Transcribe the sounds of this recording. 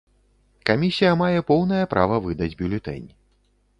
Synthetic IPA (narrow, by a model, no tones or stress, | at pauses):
kamʲisʲijɐmajɛpɔwn̪ɐjɛpɾʔa̰vɐvɨd̪ɐd͡zʲbʲulʲɛt̪ɛ̰nʲi